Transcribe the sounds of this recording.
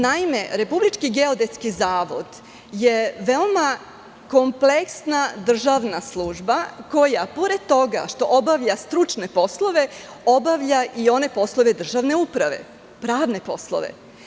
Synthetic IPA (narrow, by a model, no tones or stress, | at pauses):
naime̞ɾe̞publit͡ʃkiɡeod̪e̞t̪skizaːʋo̞̰d̪ | je̞ʋe̞oma | ko̞mpleksnad̪r̩ʒaʋnaslˠuːʒbako̞japoɾe̞d̪̚t̪o̞ɡa̰ʃt̪o̞ʔobaʋʎast̪ɾut͡ʃne̞po̞slˠo̞ʋe̞ | obaʋʎaʔio̞ne̞po̞slˠo̞ʋe̞d̪r̩ʒaʋne̞upɾaʋe̞̰ | pɾaːʋne̞po̞̰slˠo̰ʋḛ